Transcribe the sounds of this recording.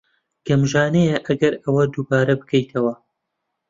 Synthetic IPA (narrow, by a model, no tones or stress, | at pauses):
ɡ̥ɐmʒaːnejɛʔɐɡɐɾɐwɐd̪uːbaːɾɐbɨkʰɐjt̪ʰɐwɐ